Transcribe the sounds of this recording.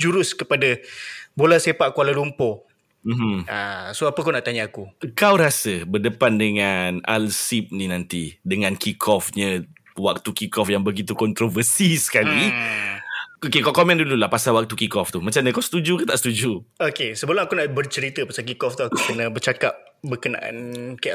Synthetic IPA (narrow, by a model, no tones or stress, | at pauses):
d͡ʒuɾʊskəpadabolasepaʔkualalumpɔ | m̩mm̩asoapəkunaʔt̪aɲaakukawɾasəbərdəpandəŋana̰lsip̚ninãnt̪idəŋãnkikʰɔfɲə | wak̚t̪ukikɔfjaŋbəɡit̪̬ukɔnt̪ɾovərsisə̥kali | okekawkɔmɛ̃ndululahpasawak̚t̪ukikɔft̪umãt͡ʃamndə̃kawsə̥t̪ud͡ʒukət̪aʔst̪ud͡ʒuokesəbəlʊmakunaʔbərt͡ʃəɾit̪əpasak̬ikɔft̪uakukənãbərt͡ʃakap̚ | bəkəna̰ʔa̰nka